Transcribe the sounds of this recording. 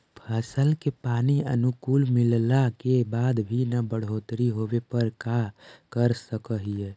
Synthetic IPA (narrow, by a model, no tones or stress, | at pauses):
pʰəsəlkepaːniə̰nukuːlmɪllakebaːd̪bʱinabəɽ̤oːt̪ɾiɦoʋepəɾkakəɾsəkəɦie